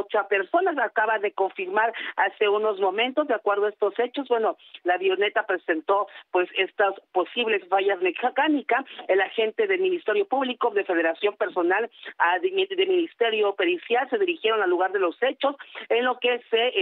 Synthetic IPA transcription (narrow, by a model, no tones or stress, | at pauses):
t͡ʃape̞ɾso̞nas̬akaβaðe̞ko̞ɱfiɾmaɾase̞uno̞zmõ̞mẽ̞nt̪o̞zd̪eakwe̞ɾð̞oae̞st̪o̞se̞t͡ʃo̞zbwe̞nolaβjone̞t̪apɾe̞se̞nt̪o̞pwe̞se̞st̪aspo̞siβle̞sfaʝazmexkanikaelaxe̞nt̪e̞ðelmĩnist̪e̞ɾjo̞puβlikoðe̞fe̞ð̞e̞ɾasjo̞mpe̞ɾso̞nalaðd̪emĩnist̪e̞ɾjo̞peɾisjalse̞ðiɾixje̞ɾo̞nalːuɣaɾðe̞lo̞se̞t͡ʃo̞senlo̞ke̞se